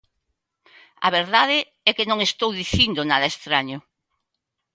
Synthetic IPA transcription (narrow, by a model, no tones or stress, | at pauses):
a̰β̞eɾðaðe | ɛkenõŋest̪owðiθind̪ʊnaðɐest̪ɾaɲʊ